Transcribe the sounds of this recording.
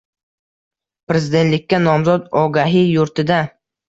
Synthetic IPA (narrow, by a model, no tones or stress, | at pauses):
pɾe̞zɪd̪et̪lɪkʲːanɒmzɒd̪ɒɡaɦɪjʊɾt̪ʰɪd̪a